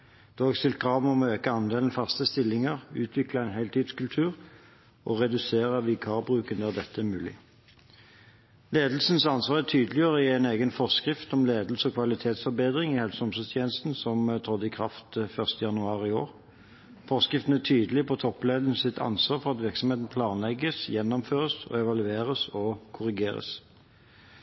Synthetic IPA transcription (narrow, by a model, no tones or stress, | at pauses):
d̪̥ɑːɡst̪ɪlt̪̚kʰʁɑːʋm̩ɔmøːkəɑnd̪eːln̩fɑst̪əst̪ɪlːɪŋəʁʉːt̪ʰʋɪklɑɛɪnɦæɪlt̪ʰiːd̪skʉlt̪ʰʉːʁ | ʔɔʁɛd̪ʉseːʁəʋɪkʰɑːbʁʉːkənd̪æʁd̪ɛt̪ːəɛmʉːlɪ̰ | leːd̪l̩sn̩sɑnsʋɑːʁɛt̪ʰyːd̪əlɪəʁəɪæɪneːɡənfɔʁskʁɪft̪ɔmleːd̪l̩səɔkʰʋɑlɪt̪ʰeːt̪sfɔɾbeːd̪ʁɪŋɪhɛlsəɔmsɔst̪ʰjeːnəst̪n̩sɔmt̪ʰʁɔd̪ːɪkʰʁɑft̪fœʁst̪əjɑnʉɑːʁɪo̰ːʁ | fɔʁskʁɪft̪ən̩æt̪ʰyːd̪lɪpʰɔt̪ʰɔpːleːd̪ən̩əsɪt̪ʰɑ̰nsʋɑːʁfɔʁɑt̪ʋɪʁksɔmheːt̪n̩pʰlɑːnlɛɡːəsjɛnːɔmføːʁəsɔ̰ɛʋɑlʉeːʁəsɔkʰʊʁɪɡeːʁə̰s